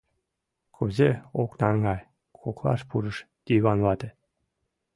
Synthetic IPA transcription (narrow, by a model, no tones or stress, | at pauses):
kʰuzʲeoknɑŋɡɑj | kʰoklɑ̰ʃpuɾəʃ | d̪̥ʲiβɑnβɑt̪ʲĕ